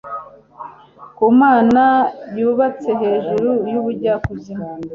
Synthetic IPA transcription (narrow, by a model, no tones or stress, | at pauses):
kumaːnabjuːβat͡se̞ɦe̞ːʒuɾujuβuɾɟakubzih